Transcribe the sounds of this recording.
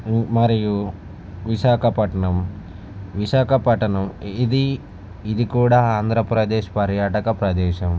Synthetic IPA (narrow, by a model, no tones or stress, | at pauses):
mɐɾiju | ʋiʃaːkʰɐpɐʈɐɳɐm | ʋiʃaːkʰɐpɐʈɐɳɐmid̪i | id̪ikuːɽaːaːnd̪ʱɾɐpɾɐd̪eːʃpɐɾjaːʈɐkɐpɾɐd̪ɛːʃɐm